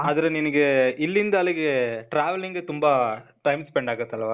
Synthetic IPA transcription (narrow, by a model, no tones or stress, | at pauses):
ɐðɪɾɐnɪnɐkːɯʔɪlːɪnd̪aːlɐkːeʈɾaːʋɐlɪŋɡet̪ʊmbaː | ʈɐɪmspɛɳɖaːɣɐt̪ːɐlːɐʋaː